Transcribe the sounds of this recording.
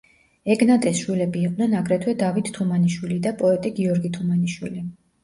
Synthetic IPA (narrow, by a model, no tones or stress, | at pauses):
ɛɡnat̪ʼɛsʃwilɛbiːqʼnɛnaɡɾɛt̪ʰwɛd̪avit̪t̪ʰumaniʃwilid̪apʼɔɛt̪ʼiɡiɔɾɡit̪ʰumaniʃwili